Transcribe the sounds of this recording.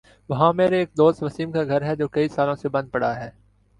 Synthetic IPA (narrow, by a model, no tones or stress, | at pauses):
ʋɐɦãmeːɾeeːk̚d̪oːst̪ʋɐsiːmkaɡʱɐɾɦɛd͡ʒoːkɐisaːlõsebɐ̃nd̪̚pɐɽaɦɛː